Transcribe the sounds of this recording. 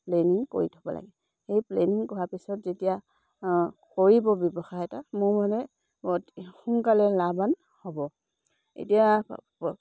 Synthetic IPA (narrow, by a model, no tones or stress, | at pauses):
pleniŋko̰ɹitʰɔ̥bɔ̰la̰ɡɛ | xejpleniŋkɔɦapisɔtzetija | koɹibɔbjɔbɔxajɛtamʊɹmɔdɛ | txuŋkalɛlaban | hɔbɔ | ḛtija